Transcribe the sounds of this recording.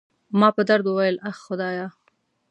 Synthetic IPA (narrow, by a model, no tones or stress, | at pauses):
mɑpəd̪aɾd̪uwajəlaxxʊd̪ɑjɑ